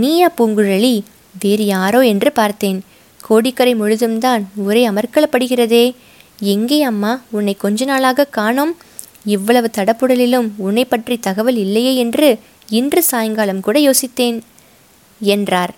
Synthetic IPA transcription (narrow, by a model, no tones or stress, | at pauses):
niːjaːpuːŋɡɯɻɐɭi | ʋeːɾjaːɾoːɛndrɯpaːɾt̪eːn | kʰoːɽɪkːɐɾɐɪmʊɻɯðɯmt̪aːnʊɾeːɐmɐɾkɐɭɐpːɐɽɯɣɪrɐðeː | ɛŋɡeːɐmːaːʊnːɐɪkːɔɲd͡ʒɐnaːlaːɣɐkaːɳoːm | ɪʋːɐɭɐʋɯt̪ɐɽɐpːɯɽɐlɪlɯmʊnːɐɪpːɐʈrit̪ɐɣɐʋɐlɪlːɐjeːɛndrɯ | ɪndrɯsaːjɐŋɡaːɭɐmkuːɽɐjoːsɪt̪ːeːn | ɛndraːɾ